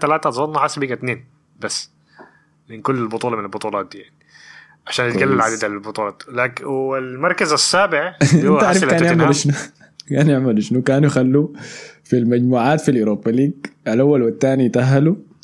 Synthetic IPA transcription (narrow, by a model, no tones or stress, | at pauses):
t̪ːalaːt̪at̪zˤɑnˤːɑħasːbiːɡat̪neːn | basː | mɪnkʊlːɪlbʊt̪ˤuːlɑmɪnalbʊt̪ˤuːlɑːt̪̚d̪iːjaʕni̥ | ʕaʃaːnɪt̪ɡalːɪlʕad̪iːd̪alɪlbʊt̪ˤuːlɑːt̪laːkwɪlmɑɾˤkazasːaːbɪʕʔɪnːaʔaɾfkaːnjeʕmalʃnu | kaːnjɪʕmalɪʃnukaːnujxalːufilmaɟmuːʕaːt̪filjuɾoːbaliːɡʔalʔawːalwat̪ːaːnit̪aɦːalu